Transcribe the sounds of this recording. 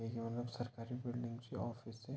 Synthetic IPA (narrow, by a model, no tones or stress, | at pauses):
eːɡimɐt̪ləbsɐɾkaːɾibɪlɖɪ̃ŋɡd͡ʒiɔːfɪsɛ